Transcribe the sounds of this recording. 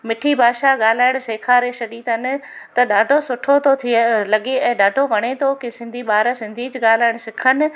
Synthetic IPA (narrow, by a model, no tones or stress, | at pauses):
mɪʈʰibʱaːʃaɠaːl̤aːɪɽ̃seːkʰaːɾeʃɐɗiːt̪ənɪ̆ | t̪ɐɗaːɖʱosʊʈʰot̪ot̪ʰilɐɠeɛ̃ːɗaːɖʱoʋɐɽ̃et̪ʰokɪsɪ̃nd̪ʱiɓaːɾəsɪ̃nd̪ʱid͡ʑɠaːl̤aːɪɽ̃sɪkʰənɪ̆